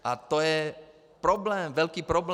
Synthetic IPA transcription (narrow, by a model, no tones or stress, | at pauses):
at̪ɔjɛ | pɾɔblɛːmʋɛlkiːpɾɔbl